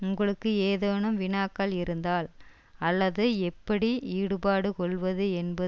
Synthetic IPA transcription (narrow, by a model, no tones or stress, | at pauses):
ʊŋɡɐɭɯkːɯeːðɐːɳɯmʋɪɳaːkːɐlɪɾɯnd̪aːl | ɐlːɐðɯɛpːɐɽiiːɽɯbaːɽɯkɔɭʋɐðɯɛnbɐ